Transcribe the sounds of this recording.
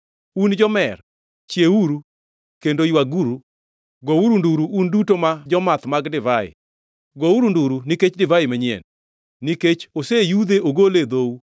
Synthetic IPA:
und͡ʒɔmɛr | t͡ʃjeuɾu | kendojwaɡuɾu | ɡouɾunduɾuʔundutomad͡ʒɔmat̪maɡdɪvaɪ̰ | ɡouɾunduɾuniket͡ʃdɪvaɪmaɲjɛ̰nː | iket͡ʃosejud̪eoɡoled̪ou

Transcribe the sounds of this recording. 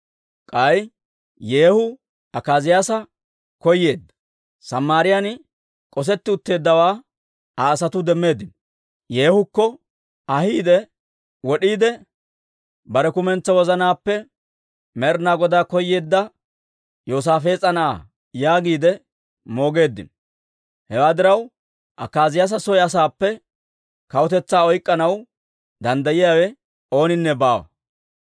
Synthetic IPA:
kʼɐj | je̞ːhʊ | ɐkaːzɪjaːsɐ | kɔjːe̞ːd̪ːɐ̥ | sɐmːaːɾɪjan | kʼɔs̬ɛt̪ːɪʊt̪ːe̞ːd̪ːɐwaː | ɐːsɐt̪ʊd̪ɛmːe̞ːd̪ːɪnɔ | je̞ːhʊkːɔ | ɐhiːd̪ɛ | wɔɗiːd̪ɛ | bɐɾɛkʊmɛnt͡sːɐwɔzɐnaːpːɛ | mɛɾnaːɡɔd̪aːkɔjːeːd̪ːɐ | joːs̬aːfe̞ːt͡sʼɐnaː | jaːɡiːd̪ɛ | mo̞ːɡe̞ːd̪ːɪ̰n | hɛwaːd̪ɪɾɐw | ʔɐkːaːzɪjas̬ɐsɔjɐs̬aːpːɛ | kɐwʊt̪ɛt͡sːaːɔjkʼːɐnɐw | d̪ɐnd̪ɐjɪjaːwɛ | o̞ːnɪnːɛbaːwɐ̰

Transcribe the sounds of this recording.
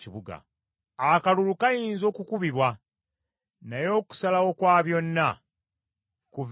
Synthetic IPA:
iβuɡa̰ | akalulukajiːnzo̞ːkukuβiβwa | najo̞ːku̥salawo̞kwaːβjo̞nːa | kuv

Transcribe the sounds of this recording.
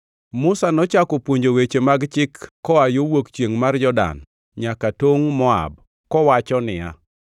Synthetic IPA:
mʊsanɔt͡ʃakopwoɲd͡ʒowet͡ʃemaɡt͡ʃɪkːɔajowokt͡ʃjeŋmarjɔda̰n | ɲakatoŋmɔa̰b | kɔwat͡ʃɔnɪja̰

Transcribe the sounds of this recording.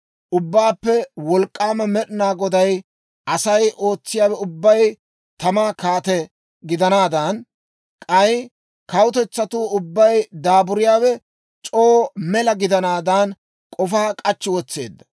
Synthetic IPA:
ʔʊbːaːpːɛwɔlkʼːaːmɐmɛɗɪnaːɡɔd̪ɐj | ʔɐsɐjʔo̞ːt͡sːɪjaːwɛʊbːɐj | t̪ɐmaːkaːt̪ɛ | ɡɪd̪ɐnaːd̪ɐn | kʼɐj | kɐwʊt̪ɛt͡sːɐt̪uːʊbːɐjd̪aːbʊɾɪjaːwɛ | t͡ʃʼoːmɛlɐɡɪd̪ɐnaːd̪ɐn | kʼɔfaːkʼɐt͡ʃːɪwɔt͡sːe̞̰ːd̪ːɐ̥

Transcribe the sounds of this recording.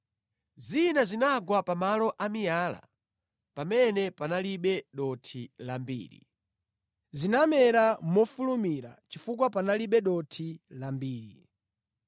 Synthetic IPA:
zinazinaɡwapamalɔʔamijaːla̰ | pamɛnɛpanaliɓɛɗɔtʰilambḭːɾḭ | zinamɛɾamɔfulumiɾa̰t͡ʃifuk̬wapanaliɓɛɗɔtʰilambiːɾi

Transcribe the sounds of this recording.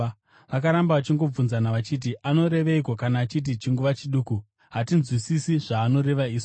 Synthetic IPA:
ʋak̬aɾambaʋat͡ʃiŋɡo̞b͡vunzanaʋat͡ʃit̬iʔano̞ɾe̞ʋeiko̞kanaːt͡ʃit̬it͡ʃiŋɡuʋat͡ʃiɗuːku | ɦatinzwisisiʐaːno̞ɾe̞ʋaiːs

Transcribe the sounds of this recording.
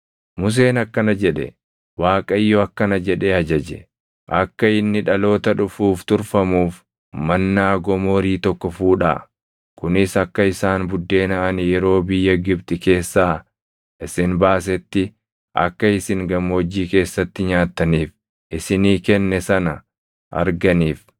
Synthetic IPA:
mʊs̬e̞ːnɐkːɐnɐd͡ʒɛᶑɛ̰ | waːkʼɐjːɔɐkːɐnɐd͡ʒɛᶑeːɐd͡ʒɐd͡ʒɛ̰ | ʔɐkːɐɪnːɪᶑɐlo̞ːt̪ɐᶑʊfuːft̪ʊɾfɐmuːf | mɐnːaːɡɔmo̞ːɾiːt̪ɔkːɔfuːᶑa̰ː | kʊnɪsɐkːɐɪsaːnbʊd̪ːe̞ːnɐʔɐnɪjɛɾo̞ːbɪjːɐɡɪb̚t̪ɪke̞ːsːaː | ʔɪsɪnbaːs̬ɛt̪ːɪ | ʔɐ̰kːɐɪsɪŋɡɐmːoːd͡ʒːiːke̞ːsːɐt̪ːɪɲaːt̪ːɐniːf | ʔɪsɪniːkɛnːɛsɐnɐ | ʔɐ̰ɾɡɐniːf

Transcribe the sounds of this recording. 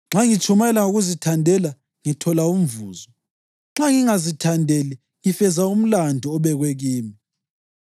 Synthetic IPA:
ŋ͡ǁaŋit͡ʃʰʼumaɛlaŋuɣuzitʰandʱɛla | ŋitʰɔlaum̩vṵːzɔ | ŋ͡ǁaŋiŋazitʰandʱeli | ŋifɛzaum̩landʱiɔβɛɣweɣiːmi

